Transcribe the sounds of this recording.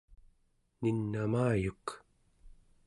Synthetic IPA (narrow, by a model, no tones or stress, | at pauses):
ninːamaːjuk